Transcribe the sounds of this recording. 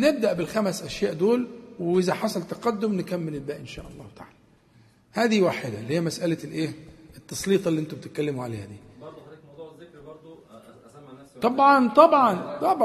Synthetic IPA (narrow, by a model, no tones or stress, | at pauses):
neb̚d̪æʔbɪlxæmæsʔæʃjæːʔd̪oːlwʔɪzæħɑsˤɑlt̪ɑqɑd̪ːomnɪkæmːɪlɪlbæːʔenʃæ̰ːʔɑlˤːɑːht̪aʕaːl | hæːd̪iwaːħed̪ælːhijːæmæsʔælælʔeːet̪ːɑsˤliːt̪ˤɑliʔent̪ubet̪et̪̚kːælːɪmuʕaleːhæd̪iː | t̪ˤɑbʕɑnt̪ˤɑbʕɑnt̪ˤɑbʕ